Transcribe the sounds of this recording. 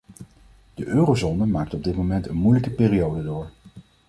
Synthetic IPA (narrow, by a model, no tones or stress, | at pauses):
d̥əʔøːrowzonəmaːk̚tɔb̚dɪt̚momɛntənmujləkəpɪːriowdədʊːɹ